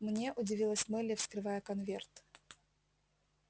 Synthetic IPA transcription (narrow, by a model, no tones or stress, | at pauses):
mnʲe̞ʔʊdʲɪvʲilˠəsʲmɨlʲɪfskɾɨvajəkɐnvʲert̪